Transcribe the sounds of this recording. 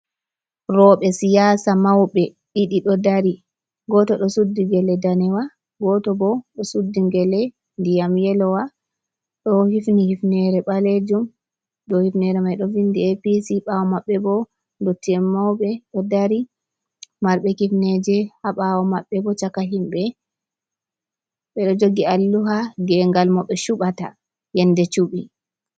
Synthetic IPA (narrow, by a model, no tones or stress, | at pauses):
ɾɔɓɛsijasamawɓɛ | ɗiɗiɗɔdaɾi | ɡɔtɔɗɔsudːiɡɛlɛdanɛwa | ɡɔtɔbɔɗɔsudːiɡɛlɛ | ndijamjɛlɔwa | ɗɔhifnihifnɛɾɛɓaled͡ʒum | ɗɔhifnɛɾɛmajɗɔvindiepisiɓawɔmaɓːɛbɔ | ndotːiɛmːawɓɛɗɔdaɾi | maɾɓɛkifnɛd͡ʒɛhaɓawɔmaɓːɛbɔt͡ʃakaɦimɓɛ | ɓɛɗɔd͡ʒoɡialːuɦaɡɛŋɡalmɔɓɛʃuɓata̰ | jɛndɛt͡ʃuɓi